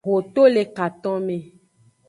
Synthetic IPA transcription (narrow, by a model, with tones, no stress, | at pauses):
ɦo˨t̪o˦le˨ka˨t̪ɔ̃˦mẽ˨